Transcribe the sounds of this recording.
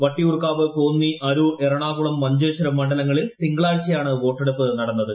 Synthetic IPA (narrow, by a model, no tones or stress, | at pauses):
ʋɐʈːiurkaːʋɨko̞ːnːiʔɐɾuerɐɳaːɣuɭɐmːɐɲd͡ʑoːɕɐɾɐmːɐɳɖɐlɐŋːɐɭilt̪iŋɡɐɭaːɻt͡ɕːɐjaːɳɨʋo̞ːʈːeɽupːɨnɐɽɐnːɐðɨ